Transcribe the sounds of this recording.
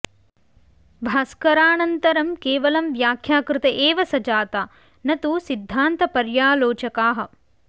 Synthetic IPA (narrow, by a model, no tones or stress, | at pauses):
bʱaːskɐɾaːnɐnt̪ɐɾɐmkeːʋɐlɐmʋjaːkʰjaːkɾɪt̪ɐʔeːʋɐsɐd͡ʒaːt̪aː | nɐt̪usid̪ʱːaːnt̪ɐpɐɾjaːloːt͡ʃɐkaːɦɐ̆